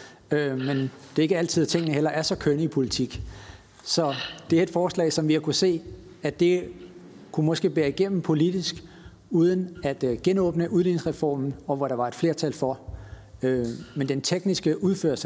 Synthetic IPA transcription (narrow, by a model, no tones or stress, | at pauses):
ømend̥e̝e̝ɡ̥əæl̰t͡sʰið̞̰ˠt͡sʰe̝ŋ̰ənəɦel̰ɐʔæɐsɒ̽kʰønəipʰo̝lit͡sʰiɡ̥ | sɒ̽d̥e̝æɐe̝d̥fɒːslɛ̰ːɪsɒ̽mʋiækʰuse̝̰ː | æd̥e̝ | kʰumɒ̽sɡ̥e̝ːb̥eːɐiɡ̥en̰m̩pʰo̝lid̥isɡ̥ | uð̞ˠənæd̥ɡ̥enɔ̰ːb̥nəʔuðˠlineŋsʁɛfɒ̰ːmn̩ɒ̽ʋɒɾ̥ɑ̈ʋɑ̈e̝d̥fle̝ɐt͡sʰælfɒ̽ | ømend̥ent͡sʰeɡ̥nisɡ̥əʔuðˠfø̰ɐs